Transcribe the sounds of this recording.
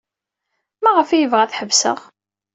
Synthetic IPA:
mæʁəfijəvʁæθħəvsə̰ʁ

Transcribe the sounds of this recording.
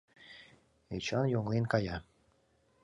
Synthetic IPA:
et͡ɕɑnjoŋlinkɑjɑ

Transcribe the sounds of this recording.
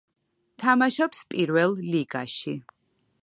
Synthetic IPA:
t̪ʰamaʃɔpspʼiɾvɛlˠliɡa̰ʃi

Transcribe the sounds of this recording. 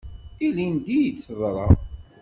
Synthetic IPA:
ilind̪ijət͡sːəðˤɾˤɑ̰

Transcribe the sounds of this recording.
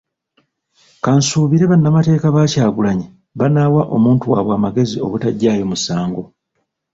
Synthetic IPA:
kansuːβiɾe̞βanːamate̞ːkaβaːcaːɡulaɲi | βanawaʔo̞̰muːntuwaβwaːmaɡe̞zio̞̰βutaɟːaːjo̞musaːŋɡo̞

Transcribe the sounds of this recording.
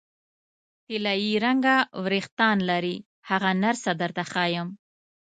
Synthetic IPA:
t̪ɪlajiɾaŋɡawɾext̪ɑnlaɾi | haɣanaɾsad̪əɾt̪axɑjəm

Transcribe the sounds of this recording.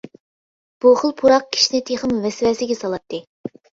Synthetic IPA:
b̥uχəlˠpʰuɾɑq̚kʲʰi̥ʃinɪt̪ʰeχəmvɛsɪfɛsɪɡʲɛsɑlˠɑt̪ʰːɨ

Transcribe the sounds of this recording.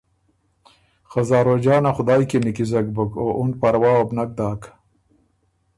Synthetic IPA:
xazɑːɾod͡ʒɑːnaxʊd̪ɑːjkenikizak̚bəkoʔʊn̚paɾwɑːwabnak̚d̪ɑːk

